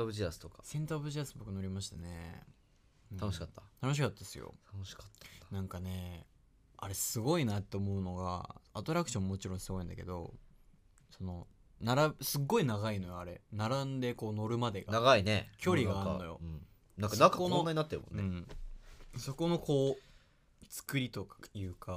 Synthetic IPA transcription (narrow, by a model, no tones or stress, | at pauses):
bɯʑiasɨ̥t̪okḁsẽ̞nt̪abɯ̟ʑiasɨbo̞kɯ̟no̞ɾʲimaɕi̥t̪anḛ | ɯ̃anoɕi̥kat̪ːat̪ano̞ɕ̬i̥kat̪ːad̪esɨjo̰t̪ʰanoɕi̥kḁt̪ːḁnãŋkane̞ | aɾe̞sɨɡo̞inat̪ːe̞omo̞ɯ̟no̞ɡa̰at̪oɾakɯ̟̥ɕõ̞mːmo̞t͡ɕiɾõɰ̃sɨɡo̞ĩnd̪a̰ke̞̰d̪o̞̰ | so̞no̞ | naɾasɨɡːo̞inaɣaino̞joaɾe̞̰naɾãnd̪e̞koːno̞ɾɯ̟mad̪e̞ɡanaɡainekʲo̞ɾʲiɡaaɾnojo̞̰ɯ̃ | nãŋkːanakanaɲinat̪ːeɾɯ̰mõ̰nːɯ̟̃ɴ | so̞ko̞no̞ko̞ː | t͡sɨ̥kɯ̟ɾʲit̪o̞kḁjɯ̟ːka